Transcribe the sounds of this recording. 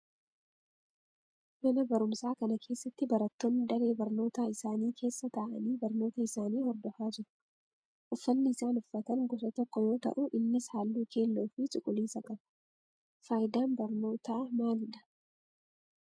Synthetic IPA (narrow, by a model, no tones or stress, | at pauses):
mɐnɐbɐɾʊmsaːkɐnɐkʰe̞ːsːɐt̪ːɪbɐɾɐt̪ːo̞ːnːɪd̪ɐɾe̞ːbɐɾno̞ːt̪aːɪsaːniːkʰe̞ːsːɐt̪aːʔɐ̰niːbɐɾnoːt̪ɐɪsaːniːhɔɾd̪ɔfaːd͡ʒɪɾʊ̥ | ʔʊfːɐnːɪɪsaːnʊfːɐt̪ɐŋɡɔsɐt̪ɔkːɔjo̞ːt̪ɐ̰ʔuʔɪnːɪshaːlːuːkʰe̞ːlːoːfɪt͡ʃʼʊkʼːʊliːsɐkʼɐn | faːjɪd̪aːnbɐɾno̞ːt̪aːmaːlɪᶑɐ̥